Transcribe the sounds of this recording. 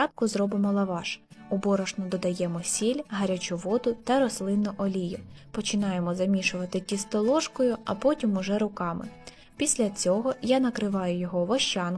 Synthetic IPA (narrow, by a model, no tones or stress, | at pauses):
ɑp̚kʊzɾɔbɪmɔlˠɐʋɑʃʊbɔɾɔʒnɔd̪ɔd̪ɐjɛmɔsʲilʲɦɐɾʲat͡ʃʊʋɔd̪ʊt̪ɐɾɔslˠɪnːʊʔɔlʲijʊ | pɔt͡ʃɪnɑjemɔzɐmʲiʃʊʋɐt̪ɪtʲist̪ɔlˠɔʃkɔjʊɐ̰pɔtʲimʊʒɛɾʊkɑmɪ̰ | pʲisʲlʲɐt͡sʲɔɦɔjanɐkɾɪʋɑjʊjɔɦɔʋɔʃt͡ʃɑn